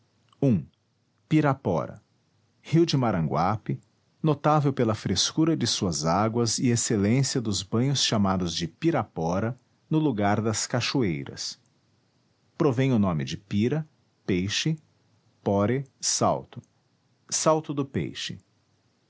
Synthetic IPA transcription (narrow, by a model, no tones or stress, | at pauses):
ũ | piɾapɔ̰ɾɐ̰ | hiwd͡ʒɪmaɾɐ̃ɡwapɪ | not̪avewpelɐfɾeskuɾɐd͡ʒɪsuɐzaɡwɐzɪeselẽsiɐd̪ʊzbɐ̃j̃ʊsʃamad̪ʊzd͡ʒɪpiɾapɔɾɐ | nʊluɡaɾd̪ɐskaʃuejɾɐ̰s | pɾovẽj̃ʊnõmɪd͡ʒɪpiɾɐ | pejʃɪ | pɔɾɪsa̰wt̪ʊ̥ | sawt̪ʊd̪ʊpḛjʃɪ̰